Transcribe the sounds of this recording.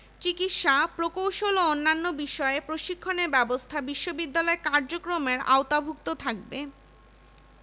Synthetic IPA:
t͡ɕikit̪ʃapɾokowʃoloonːanːobiʃɔeepɾoʃikʰːoneɾbɛbost̪ʰabiʃːobid̪ːalɔekaɾd͡ʑokɾomeɾa̰ot̪abʱukt̪ot̪ʰak̚be

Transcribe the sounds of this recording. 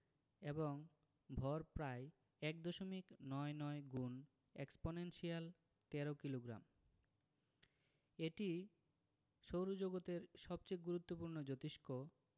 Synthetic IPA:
eboŋ | bʱɔɾpɾae | ɛkd̪oʃomiknɔenɔeɡun | eksponenʃial | t̪ɛɾokiloɡɾa̰m | eʈi | ʃowɾod͡ʑoɡot̪eɾʃɔb̚t͡ɕeɡuɾut̪ːopuɾnod͡ʑot̪iʃko

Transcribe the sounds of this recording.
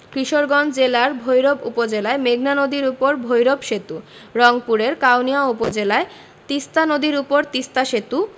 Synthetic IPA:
kɾiʃoɾɡɔnd͡ʑelaɾbʱojɾobupod͡ʑelaemeɡʱnanod̪iɾupoɾbʱojɾobʃet̪u | ɾɔŋpuɾeɾkawnijaupod͡ʑelae | t̪ist̪anod̪iɾupoɾt̪ist̪aʃet̪u

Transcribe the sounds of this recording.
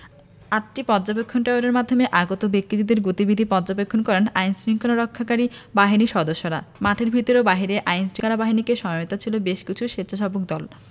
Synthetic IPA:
aʈ̚ʈipɔdd͡ʑapekʰːonʈaoɾeɾmad̪ʱːomeʔaɡot̪obekɾid̪id̪eɾɡot̪ibid̪ʱipɔdd͡ʑapekʰːonkɔɾenajnsɾiŋkʰonoɾɔkʰːakaɾibaɦiniʃɔd̪oʃːoɾamaʈʰeɾbʱit̪oɾeobaɦiɾeʔajnsɾiŋkalabaɦinikeʃɔmaot̪at͡ɕʰilobeʃkit͡ɕʰuʃet̪ːt͡ɕʰaʃɔbokd̪ɔl

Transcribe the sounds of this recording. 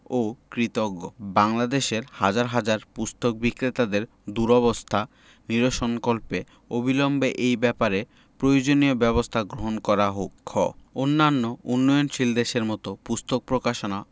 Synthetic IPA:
okɾit̪oɡobaŋlad̪eʃeɾhad͡ʑaɾɦad͡ʑaɾpust̪ʰok̚bikɾet̪ad̪eɾ | d̪uɾɔβost̪ʰa | niɾoʃoŋkolpe | obʱilɔmbeʔejbɛpaɾe | pɾojod͡ʑoniobɛβost̪ʰaɡɾoɦonkɔɾaɦokʰːɔ̰onːanːounːɔjonʃild̪eʃeɾmɔt̪opust̪ʰok̚pɾokaʃona

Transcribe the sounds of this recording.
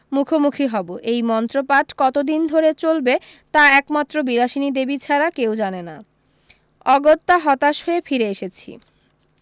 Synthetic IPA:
mukʰomukʰiɦɔboʔejmɔnt̪ɾopaʈʰkɔt̪od̪ind̪ʱoɾet͡ɕolbe | t̪aɛkmat̪ːɾobiɾaʃinid̪ebit͡ɕʰaɾakewd͡ʑanena | ɔɡot̪ːaɦɔt̪aʃɦoefʰiɾeeʃet͡ɕʰḭ

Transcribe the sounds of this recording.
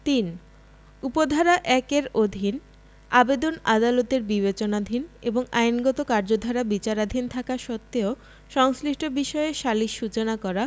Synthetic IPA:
t̪in | upod̪ʱaɾaʔɛkeɾod̪ʱin | abed̪onad̪alot̪eɾbibet͡ɕonad̪ʱineboŋajnɡɔt̪okaɾd͡ʑod̪ʱaɾabit͡ɕaɾad̪ʱint̪ʰakaʃɔt̪ːeo | ʃɔŋsliʃʈʰobiʃɔeʃaliʃut͡ɕonakɔɾa

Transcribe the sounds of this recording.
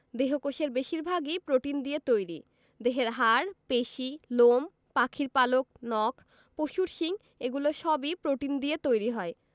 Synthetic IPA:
d̪eɦokoʃeɾbeʃiɾbʱaɡipɾoʈind̪iet̪ojɾḭ | d̪eɦeɾɦaɾpeʃilom | pakʰiɾpalok̚nɔkʰ | poʃuɾʃiŋ | eɡuloʃɔbipɾoʈind̪iet̪ojɾiɦɔe

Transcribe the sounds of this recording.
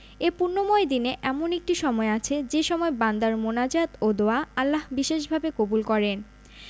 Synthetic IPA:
epuɾnomoed̪ineʔɛmonek̚ʈiʃɔmɔeat͡ɕʰed͡ʑeʃɔmɔeband̪aɾmonad͡ʑat̪od̪oaalːaɦbiʃeʃbʱabekobulkɔɾen

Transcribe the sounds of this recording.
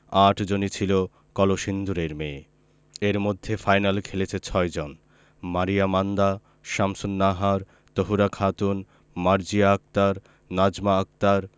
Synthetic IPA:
aʈʰd͡ʑonit͡ɕʰilo | kɔloʃind̪uɾeɾme | eɾmod̪ʱːefajnalkʰelet͡ɕʰet͡ɕʰɔed͡ʑon | maɾijamand̪a | ʃamsunːaɦaɾ | t̪oɦuɾakʰat̪un | maɾd͡ʑiaak̚t̪aɾ | nad͡ʑmaak̚t̪aɾ

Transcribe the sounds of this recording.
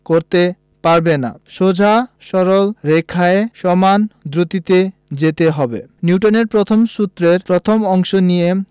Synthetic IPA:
koɾt̪e | paɾbena̰ʃod͡ʑʱaʃɔɾolɾekʰːaeʃɔmand̪ɾut̪it̪ed͡ʑet̪eɦɔbḛniuʈoneɾpɾot̪ʰomʃut̪ːɾeɾpɾot̪ʰomɔŋʃonije

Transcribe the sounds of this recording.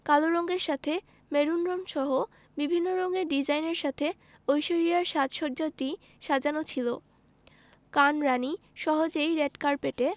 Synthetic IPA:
kaloɾɔŋɡeɾʃat̪ʰe | meɾunɾomʃɔɦo | bibʱinːoɾɔŋeɾɖid͡ʑajneɾʃat̪ʰe | ojʃoɾijaɾʃat̪ʃɔɾd͡ʑad̪ɾi | ʃad͡ʑanot͡ɕʰilo | kanɾani | ʃɔɦod͡ʑejɾeɖkaɾpeʈe

